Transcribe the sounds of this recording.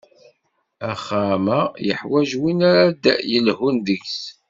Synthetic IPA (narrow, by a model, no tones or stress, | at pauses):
æχamæjə̰ħwæʒwinaɾad̪jəlhunðəks